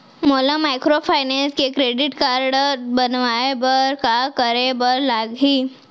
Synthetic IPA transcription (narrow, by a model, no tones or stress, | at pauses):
molamajkɾopʰaɪnenskekɾeɖɪʈkaɾɽəɾbənʋaebəɾkakəɾebəɾlaɡɦiː